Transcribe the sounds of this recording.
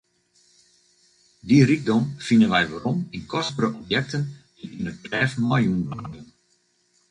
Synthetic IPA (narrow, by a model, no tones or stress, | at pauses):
dirik̚dɔmfinənʋɛjʋarɔminkʰɔsbəɾəʔɔpjɛk̚tən | iənətlɛːfmajunma̰ːdən